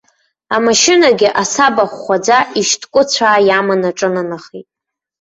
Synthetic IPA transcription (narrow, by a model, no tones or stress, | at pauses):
amaʃɪnaɡʲɪʔasabaχːʷad͡zaʔiʃtʰkʷʼʊt͡ɕʷʰaːjamanaʈ͡ʂʼɨnanaχitʼ